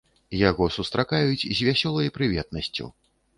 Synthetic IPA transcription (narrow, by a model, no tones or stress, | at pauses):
jaɣɔsust̪ɾakajut͡sʲzʲvʲasʲɔlˠɐjpɾɨvʲɛt̪̚nɐsʲt͡sʲṵ